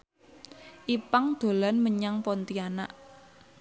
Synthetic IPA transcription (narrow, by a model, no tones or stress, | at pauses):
ʔipaŋd̪̥o̤lanməɲaŋpɔnt̪iana̰ʔ